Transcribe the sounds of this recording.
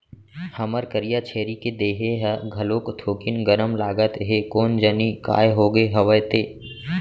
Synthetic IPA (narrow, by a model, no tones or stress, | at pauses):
hɐməɾkəɾijat͡ʃʰeːɾiked̪eːɦeɦɛɡʱɐlokt̪ʰoːkinɡəɾəmlaːɡət̪ɦekoːnd͡ʒənika̰ːjɦoːɡeɦɐʋəjt̪eː